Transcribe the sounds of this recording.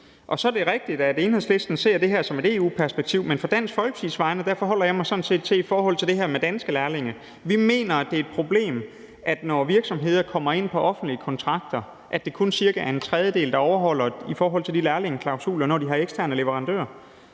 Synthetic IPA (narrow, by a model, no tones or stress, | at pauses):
ʔɒ̽sɒ̽d̥e̝ʁɛɡ̥̚d̥id̥æde̝ːnheðˠsle̝sd̥n̩se̝ɐ̰d̥e̝ɦæɐ̰sɒ̽me̝ɾe̝ːṵːpʰæɐsb̥eɡ̥̚t͡sʰiʊ̰menfɒ̽d̥æn̰sfɒ̽lɡ̥ə̥sʰisʋɑ̈ɪnəd̥æɐ̰fɒ̽ɦɒ̽l̰ɐjɑ̈ɪmɑ̈ɪsɒ̽n̩se̝̰ːd̥t͡sʰe̝ifɒːɦɒ̽l̰t͡sʰe̝ld̥e̝ɦɛɐmed̥ænsɡ̥əlæɐle̝ŋə | ʋime̝̰ːnɐæd̥e̝ɐed̥̚pʰʁo̝b̥le̝̰ːm | ʔæd̥nɒʋiɐɡ̥sɒ̽mɦe̝ð̞̰ˠɐkʰɒ̽m̰ɐe̝n̰pʰɒ̽ʔɒ̽fn̩d̥liəkʰɒ̽nt͡sʰʁɑ̈ɡ̥̚d̥ɐ | ʔæd̥e̝kʰo̝nsiɐɡ̥ææɐe̝nt͡sʰʁɛð̞ˠjəd̥e̝̰ːld̥ɑ̈ɒʊɐɦɒ̽l̰ɐifɒːɦɒ̽l̰t͡sʰe̝ld̥ilæɐle̝ŋəkʰlɑ̈ʊsṵːlɐnɒ̰ːd̥iɦɑ̈eɡ̥sd̥ʰæɐnəleʋəʁɑ̈nd̥ø̰ːɐ